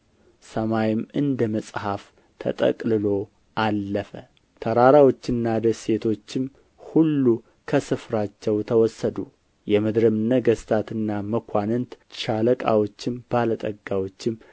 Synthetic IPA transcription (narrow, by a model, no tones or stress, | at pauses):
səmajɪmɨnd̪əməsʼhaf | t̪ʰə̰t̪ʼə̰kʼlɨlo̞ | ʔalːəfə | t̪ʰəɾaɾawo̞t͡ʃːɨnːad̪əse̞t̪ʰo̞t͡ʃːɪm | hulːu | kʰəsɨfɾat͡ʃːɛwt̪ʰəwɔsːəd̪u | jɛmɨd̪ɾɨmɨnːəɡəst̪ʰat̪ʰɨnːaməkʷʰanɨnt̪ʃaləkʼa̰wo̞t͡ʃːɪmb̥alət̪ʼəɡːawot͡ʃːɪm